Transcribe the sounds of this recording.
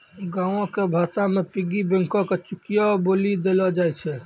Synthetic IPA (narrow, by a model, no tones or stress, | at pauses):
ɡãõkebʱasamepiɡibẽŋkɔket͡ʃukijɔbolid̪elɔd͡ʒajt͡ʃʰɛ